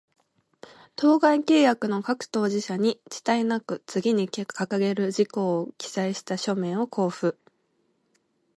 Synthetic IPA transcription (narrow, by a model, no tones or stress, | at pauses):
t̪o̞ːɡaike̞ːjakɯ̟no̞kakɯ̟̥t̪o̞ːʑiɕaɲ̟it͡ɕi̥t̪ainakɯ̟t͡sɨɡʲiɲ̟ikkʰakaɡe̞ɾɯ̟d͡ʑiko̞ːkʲi̥z̥aiɕi̥t̪aɕo̞mẽ̞ɰ̃o̞kʰo̞ːɸɯ̟